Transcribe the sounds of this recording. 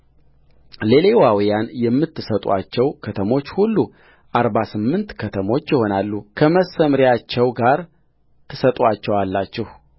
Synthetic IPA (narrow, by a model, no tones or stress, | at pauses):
le̞lewawijanjɛmːɨt̪ʰːɨsət̪ʼuat͡ʃːɛwkʰət̪ʰəmo̞t͡ʃːhulːu | ʔaɾβasɨmːɨnt̪kʰət̪ʰəmo̞t͡ʃːjɪho̞nalːukʰəməsəmɾijat͡ʃːɛwɡaɾ | t̪ʰɨsət̪ʼuat͡ʃːɛwalːat͡ʃːɛh